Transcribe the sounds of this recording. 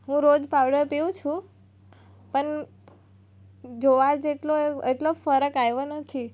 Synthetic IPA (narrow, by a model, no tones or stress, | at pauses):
ɦũɾod͡ʒpaʋɽəɾpiũt͡ʃʰũ | pəɳ | d͡ʒoʋad͡ʒeʈloeeʈlofəɾəkajʋonət̪ʰi